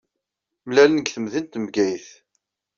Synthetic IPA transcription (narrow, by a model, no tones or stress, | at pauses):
mlælənəɡθəmðint̪mɡæjθ